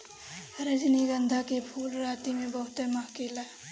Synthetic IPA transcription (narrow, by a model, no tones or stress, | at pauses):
ɾəd͡ʒniɡənd̪ʱakepʰuːlɾaːt̪imẽbəɦʊt̪emɐɦkila